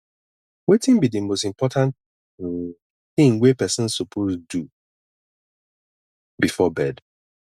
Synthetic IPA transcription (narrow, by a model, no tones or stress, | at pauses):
wetɪ̃nbidɨmostĩmpʰɔtʰãn | θɪ̃ŋwepɛsɔ̃nsopʰozdu | bifɔbɛd